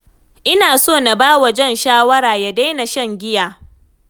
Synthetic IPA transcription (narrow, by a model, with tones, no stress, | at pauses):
ʔɪ˦naː˨soː˦˨na˨baː˦wɐ˨d͡ʒɛ˦˨nʃaː˦wɐ˦ɾaː˨ja˦da˦jna˨ʃɐ˦ŋɡʲɪ˦jaː˨